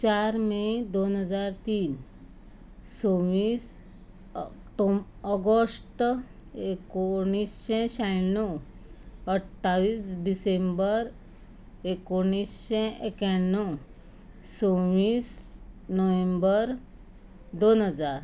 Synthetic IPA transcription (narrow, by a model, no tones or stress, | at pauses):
t͡ɕaɾmed̪onɦəd͡zaɾt̪iːn | sõʋiːs | ʈo | ɔɡosʈ | ekoɽ̃isɕɛ̃ɕajɳːo | əʈʰːaʋiːsɖisembəɾ | ekoɽ̃isɕɛ̃ʔekaɳːɔ | sõʋiːsnəʋẽmbəɾ | d̪onɦəd͡zaɾ